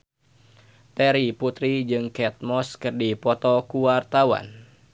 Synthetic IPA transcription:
t̪ɛɾiput̪ɾid͡ʒɨŋkɛt̪̚mɔskɨrdipɔt̪ɔkuwart̪awa̰n

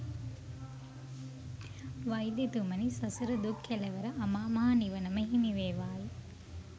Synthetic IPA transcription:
ʋɐjd̪jet̪umɐnisɐsuɾɐd̪ukʰːelɐʋɐɾɐʔɐmaːmɐɦaniʋɐnɐmɐɦiniʋeːʋaːji

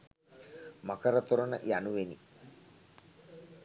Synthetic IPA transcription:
makəɾət̪oɾənə̰januʋeni

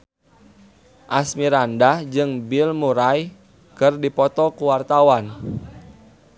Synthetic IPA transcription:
ʔasmiɾandad͡ʒɨŋbilmuɾaj | kɨrdipɔt̪ɔkuwart̪awan

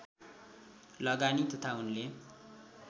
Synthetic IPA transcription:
lʌɡanit̪ʌt̪ʰaunle

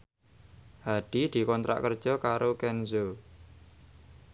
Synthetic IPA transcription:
haɖ̥i̤d̪̥i̤kɔnt̪ɾa̰ʔkərd̥ʒ̥ɔkaɾokɛnzo

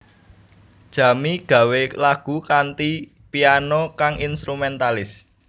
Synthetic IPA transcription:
d̥ʒ̥ä̤miɡ̥ä̤welaɡ̥ṳkant̪i | pianɔkaŋʔinst̪ɾumɛnt̪alɪs

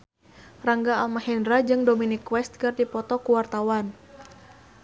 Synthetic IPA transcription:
raŋɡaːlmahɛndɾad͡ʒɨŋdɔminikːwɛst̪̚kɨrdipɔt̪ɔkuwart̪awan

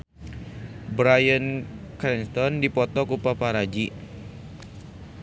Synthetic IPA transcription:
bɾajənkɾɛnst̪ɔndipɔt̪ɔkupapaɾad͡ʒi

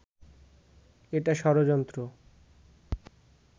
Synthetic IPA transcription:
eʈaʃɔɾod͡ʑɔnt̪ɾo

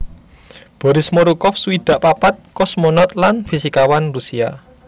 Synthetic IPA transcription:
b̥ɔ̤ɾɪsmoɾukɔfsuwid̪̥a̤ʔpapat̪̚kɔsmɔnɔt̪̚lanfisikawanrusia̰

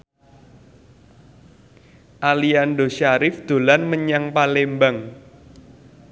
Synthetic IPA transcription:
ʔalianɖoʃaɾɪfd̪̥o̤lanməɲaŋpalembaŋ

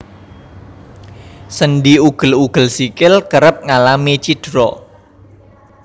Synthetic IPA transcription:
sənɖiuɡ̥ə̤luɡ̥ə̤lsikɪlkəɾəp̚ŋalamit͡ʃid̥ɾɔ

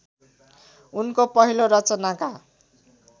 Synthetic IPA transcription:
unkopʌɦiloɾʌt͡sʌnaka

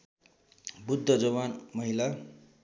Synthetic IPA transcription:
bud̪ʱːʌd͡zʌβanmʌɦila

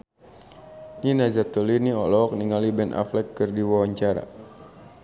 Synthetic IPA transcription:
ninazat̪ɔliniɔlɔk̚niŋalibɛnʔa̰flɛkːɨrdiwawaɲt͡ʃaɾa̰

